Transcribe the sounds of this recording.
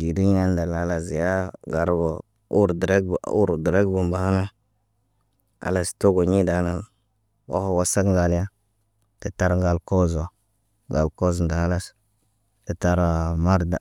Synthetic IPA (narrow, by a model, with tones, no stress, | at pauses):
d͡ʒi˨di˦ɲ˦a˦n˦da˨la˦la˨sja˦ɡa˨ɾbo˨ | u˦ɾdɾe˦ɡṵ˦ɾdɾe˦ɡbu˨mba˨ha˦na˦ | a̰˨la˨sto˦ɡo˨ɲi˦da˨˦na˨ | wo̰˦ho˨wa˦sa˦kŋɡa˨lja˦ | te˨ta˦ɾɡa˨lko˦zo˨ | ɡa˨lko˦znda˨a˦la˦s | ti˨ta˦ɾa˨ma˦ɾda˨